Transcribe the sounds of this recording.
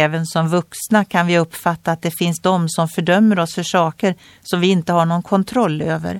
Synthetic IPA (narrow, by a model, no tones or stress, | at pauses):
vənsɔmvɵksnakʰanvɪɵpːfat̪ːaːt̪̚d̪ɛfɪnsd̪ɔmsɔmfœɖœmːəɾɔsfœʂɑːkəɾ | sɔmvɪɪnt̪əhaɳɔnkʰɔnt̪ʰɾɔlːøːvə̰ɾ